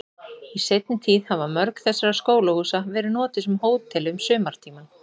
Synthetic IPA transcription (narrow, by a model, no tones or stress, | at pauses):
isejt̪nɪt̪ʰiːðhavamœɾkθɛsːaɾaskoːwlahuːsavɛːɾɪnɔːt̪ɪsʏmhoːwt̪ʰːɛlɪʏmsʏːmaɾ̥t̪ʰiːman